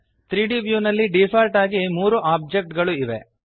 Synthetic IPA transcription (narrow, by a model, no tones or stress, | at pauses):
t̪ɾiːɖiːbjuːnɐlːiɖiːpʰaːɾʈaːɡimuːɾuʔaːb̚d͡ʒek̚ʈɡɐɭuiʋe